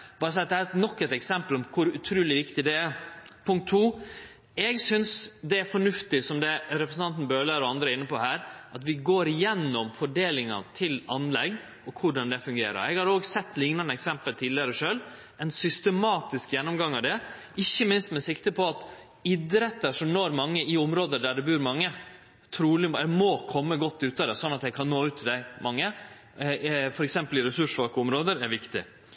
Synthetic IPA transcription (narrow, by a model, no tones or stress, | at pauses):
b̥ɑːɾəs̬ɛɪt̪d̪ɛæɾt̪nɔkːɛt̪ɛksɛmpəlɔmkʰʊɾʉt̪ʰɾʉːlɪʋɪkt̪ɪd̪ɛɛpʰʊŋk̚t̪ʰːuː | ɛɡsʏnsd̪ɛæɾfɔɳʉft̪ɪsɔmd̪ɛɾɛpɾəsn̩ɑnt̪n̩bøːləɾɔɑnd̪ɾəɾɪnːəpɔhæːɾʔɑt̪ʋɪɡoːɾɪjɛnːɔmfɔɖeːlɪŋɑ̰t̪ʰɪlɑnlɛ̰ɡ | ɔkʰʊɖɑnd̪ɛfʉŋɡeːɾə̰ɾɛɡhɑɾoːɡsɛt̪ːlɪŋnɑnəɛksɛmpəlt̪ʰiːd̪lɪəɾəɔʂøːl | ɛnsʏst̪əmɑːt̪ɪskjɛnːɔmɡɑŋːɑʋd̪ɛ | ɪçːəmɪnst̪mɛsɪkt̪əpʰɔɑt̪ | ɪd̪ɾɛt̪ːəʂɔmnoːɾmɑŋːəɪʊmɾoːd̪əɖ̪æɖɛbʉːɾmɑŋːə | t̪ʰɾuːlɪɛmoːkʰɔmːəɡɔt̪ːʉːt̪ɑd̪ɛsɔnːɑt̪jɛɪkʰɑnnoːʉːt̪ʰːɪld̪æɪmɑŋːə | fɔɾɛksɛmpəlɪɾɛsʉʂʋɑkəʊmɾoːd̪əɾæɾʋɪkt̪ɪ̰